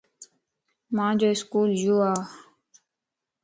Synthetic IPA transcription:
mãːd͡ʒoːɪskuːljoːaː

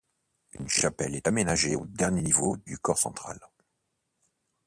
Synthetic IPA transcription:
ynʃapɛlɛt̪amenaʒeod̪ɛʁnjenivod̪ykɔʁsɑ̰̃t̪χa̰l

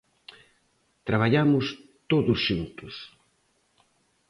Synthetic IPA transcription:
t̪ɾaβ̞aʎamʊst̪oðʊsʃunt̪ʊs

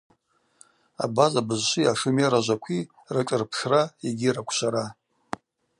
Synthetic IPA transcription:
a̰bazabɨzʃʷijaʂɨmjaɾaʒʷakʷʰi | rɨʈ͡ʂʼɨrpʰʂraeɡʲiɾakʷʰɕʷaɾa

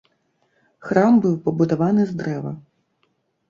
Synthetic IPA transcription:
xɾambɨwpɐbud̪avanɨzd̪ɾɛvɐ̰

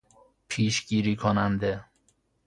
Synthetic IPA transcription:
pʰiːʃɡiːɾiːkʰonænd̪e

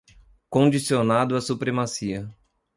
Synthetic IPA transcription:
kõd͡ʒisionad̪ʊɐsupɾemasiɐ

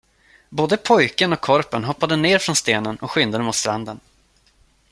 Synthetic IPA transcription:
boːd̪əpʰɔjkənɔkʰːɔɾpənɦɔpːad̪əneːɾfɾɔnst̪eːnənɔkɧʏnd̪əd̪əmʊːt̪st̪ɾand̪ən

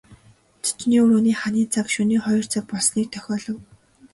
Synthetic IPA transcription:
t̪ʰi̥t͡ɕniːuɾuːniːχaniːt͡sʰakʃuniːχɔjɞ̆r̥t͡sʰak̚pɔɮsniːk̚t̪ʰœxʲɔːɮɞ̆w

